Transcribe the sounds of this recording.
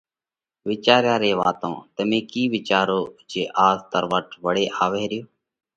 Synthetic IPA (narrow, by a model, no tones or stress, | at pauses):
ʋɪt͡ʃaːɾjaːɾeːʋa̰ːt̪õ̰ːt̪əmẽːkiːʋɪt͡ʃaːɾoːd͡ʒeːʔaːzt̪əɾʋəʈʋəɽeːʔaːʋeːɾɪjoː